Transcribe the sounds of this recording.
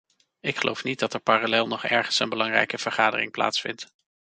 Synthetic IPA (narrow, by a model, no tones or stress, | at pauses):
ɪkχəlo̰wfnit̚dɑtɛɹpaːralɛːlˠnɔχɛɹχənsənbəlɑŋrɛ̰jkəv̥əɹχaːdərɪ̰ŋpla̰ːtsfɪ̰nt